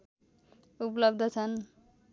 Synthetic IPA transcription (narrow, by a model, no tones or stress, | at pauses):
uplʌbd̪ʱʌt͡sʰʌn